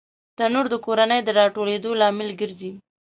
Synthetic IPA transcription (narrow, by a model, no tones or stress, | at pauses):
t̪anuɾd̪əkoɾanəjd̪əɾɑʈoled̪olɑmɪlɡəɾzi